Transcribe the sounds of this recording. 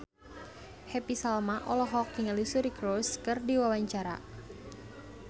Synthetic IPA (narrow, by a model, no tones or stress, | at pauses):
hepisalmaʔɔlɔɦɔkːiŋalisuɾikɾoskɨrdiwawaɲt͡ʃaɾa̰